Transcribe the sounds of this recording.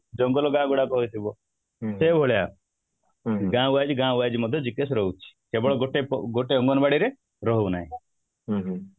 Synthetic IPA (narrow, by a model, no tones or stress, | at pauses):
d͡ʒɔŋɡɔlɔɡãɡuɽakɔɦojt̪ʰibɔ | sebʱoɭja | ɡãuajd͡ʒiɡãuajd͡ʒimɔd̪ʱjɔd͡ʒikesɾɔɦut͡ʃʰi̥kebɔɭɔɡoʈepɔɡoʈeɔŋɡɔnɔbaɽiɾe | ɾɔɦona̰ɦĩ